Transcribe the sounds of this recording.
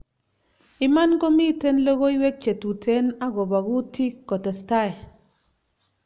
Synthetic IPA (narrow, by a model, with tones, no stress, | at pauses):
i˦ma˦nko˦mi˦˨te˦n˦lo˦ɣo˦i˦we˦k̚t͡ʃe˨tu˨tʰe˨˦na˦ɡo˨ba˨ɡu˦ti˦kːɔ˨te˨sta˦˨j